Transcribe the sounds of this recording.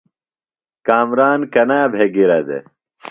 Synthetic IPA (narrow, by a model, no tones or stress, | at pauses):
kaːmɾaːnkɐnaːbʱeɡiɾɐd̪ḛ